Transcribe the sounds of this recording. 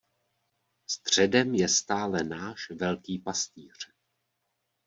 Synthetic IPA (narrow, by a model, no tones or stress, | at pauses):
st̪r̝̥ɛdɛmjɛst̪aːlɛnaːʃvɛlkiːpast̪iːr̝̥